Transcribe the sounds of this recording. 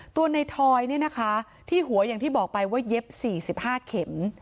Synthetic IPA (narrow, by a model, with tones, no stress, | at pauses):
t̪u˧əna˧jt̪ʰɔː˧jni˥˩ɐna˦˥kʰa˦˥ | t̪ʰiː˥˩ɦu˨˩˦ɐjaː˨˩ŋt̪ʰiː˥˩bɔː˨˩k̚pa˧jwaː˥˩je˦˥p̚siː˨˩si˨˩p̚haː˥˩kʰe˩˦m